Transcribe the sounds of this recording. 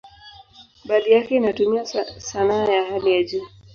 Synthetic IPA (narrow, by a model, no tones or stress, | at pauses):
ɓaɗijakɛinatumiasanaːjahalijad͡ʒuː